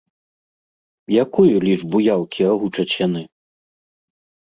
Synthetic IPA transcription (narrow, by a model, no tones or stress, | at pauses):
jakujulʲiʐbujawkʲʰiaɣut͡ʂɐt͡sʲjanɨ